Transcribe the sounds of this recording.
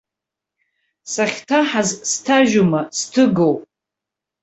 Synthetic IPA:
saχʲtʰaħazstʰaʒumastʰɨɡowpʼ

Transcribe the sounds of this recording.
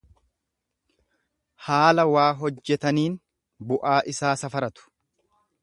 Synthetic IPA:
haːlɐwaːɦɔd͡ʒːɛt̪ɐniːn | bʊʔaːʔɪsaːsɐfɐɾɐt̪ʊ̥

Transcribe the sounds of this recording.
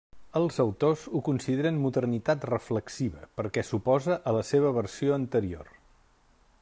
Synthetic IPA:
əlˠzəwt̪ozukunsiðeɾənmuðərnit̪at̪rəfləksiβəpəɾkɛsupɔzəʔələseβəβərsioənt̪əɾio̰r

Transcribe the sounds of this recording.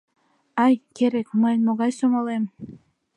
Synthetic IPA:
ɑjkeɾekməjmoɣɑjsomolem

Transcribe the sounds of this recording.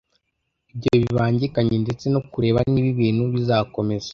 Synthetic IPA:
ib̚ɟihoβiβaːɲɟikaɲende̞t͡se̞nokuɾe̞ːβaniβiβiːnhuβizaːko̞me̞zḁ

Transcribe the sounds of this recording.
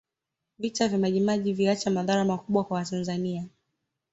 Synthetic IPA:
vitavjamaʄimaʄiviat͡ʃamaðaɾamakuɓwakwawatanzania

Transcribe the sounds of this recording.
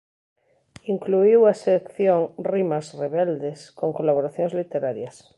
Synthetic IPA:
iŋkluiwasekθjoŋrimasreβeld̪eskoŋkolaβoɾaθjonzlit̪eɾaɾjas

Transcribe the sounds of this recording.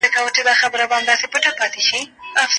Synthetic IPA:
əkawəʈed̪ɑxabəɾabamd̪ɑsepəʈapɑt̪eʃiafs

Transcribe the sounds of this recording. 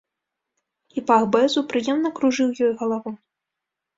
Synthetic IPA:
ipaɣbɛzupɾɨjɛmnɐkɾuʐɨwjɔjɣɐlˠavu

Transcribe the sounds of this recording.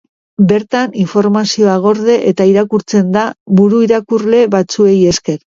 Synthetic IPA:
be̞ɾt̪aniɱfo̞ɾmasio̞aɣ̞o̞ɾðe̞ʔet̪aiɾakuɾt͡se̞nd̪aβuɾuiɾakurle̞βat͡sue̞je̞ske̞ɾ

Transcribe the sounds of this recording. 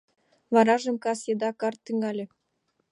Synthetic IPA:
vɑɾɑʒə̆mkɑsjed̪ɑkɑrt̪ːyŋɡɑlʲĕ

